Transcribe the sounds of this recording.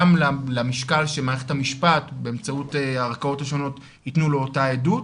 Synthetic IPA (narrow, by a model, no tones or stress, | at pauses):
mlaleamiʃkalʃemaːʁeχe̞thamiʃpatbe̞emt͡sauteaʁakao̞thaʃo̞no̞t | itnuloːtaedut